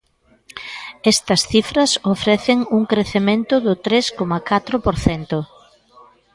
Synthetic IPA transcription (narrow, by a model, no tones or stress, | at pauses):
ɛst̪ɐsθifɾɐsofɾɛθɪŋuŋkɾeθemẽnt̪ʊðʊt̪ɾeskomɐkat̪ɾʊpoɾθɛnt̪ʊ